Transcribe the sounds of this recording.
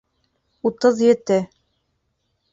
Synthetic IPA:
ut̪ɤðjɘ̆t̪ɘ

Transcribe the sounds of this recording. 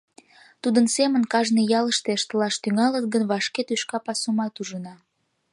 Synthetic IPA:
t̪ud̪ənsemənkɑʒnejɑləʃt̪eʃt̪əlɑʃt̪yŋɑlət̪̚ɡənβɑʃket̪yʃkɑpɑsumɑt̪uʒənɑ

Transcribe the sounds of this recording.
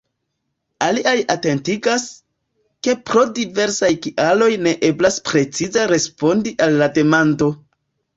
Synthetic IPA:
aliʔajate̞ntiɡas | ke̞pɾo̞dive̞ɾsajkiʔalo̞jne̞ʔe̞blaspɾe̞t͡sizaɾe̞spo̞ndiʔalːade̞mando̞

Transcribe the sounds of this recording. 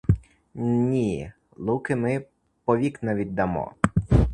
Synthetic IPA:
nʲi | lˠukɪmɪ | pɔʋʲiknɐʋʲid̚ʲd̪ɐmɔ̰

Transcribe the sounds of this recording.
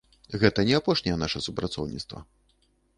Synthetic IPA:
ɣɛt̪ɐnʲɛapɔʂnʲɛjɛnaʂɐsupɾat̪sɔ̰wnʲḭt̪st̪vɐ̰

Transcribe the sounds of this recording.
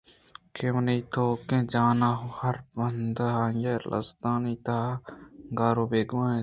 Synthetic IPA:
kemniːt̪ʰoːkẽːd͡ʒaːnaːɦohɐɾbɐnd̪ɦajelʔɐ̰sd̪aːniːt̪aːɡaːɾoːbeːɡãːẽː

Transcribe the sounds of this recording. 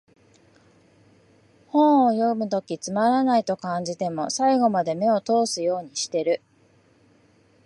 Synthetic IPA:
hõɰ̃ojo̞mɯ̟t̪o̞kʲit͡sɨmaɾanait̪o̞kãɲ̟d͡ʑit̪e̞mo̞saiɡo̞mad̪e̞me̞o̞t̪o̞ːsɨjo̞ːɲ̟iɕi̥t̪e̞ɾɯ̟

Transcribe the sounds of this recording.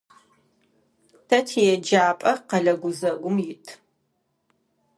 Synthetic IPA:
tʰɐtʰijɛd͡ʒaːpʼɐqɐɮɐɡʷʊzɐɡʷʊmjɪtʰ

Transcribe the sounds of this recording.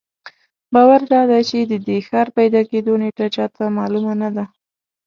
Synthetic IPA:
bɑwaɾd̪ɑd̪at͡ʃed̪əd̪exɑɾpajd̪ɑked̪oneʈat͡ʃɑt̪amɑlumanad̪a

